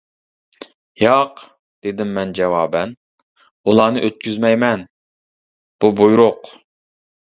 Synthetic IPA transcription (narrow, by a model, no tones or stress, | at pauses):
jɑq | d̪̥ed̪ɪmːɛnd͡ʒɛwɑːbɛn | ulˠɑːnɨʔøt̪̚kʲyzmɛjmɛn | b̥ubujɾʊq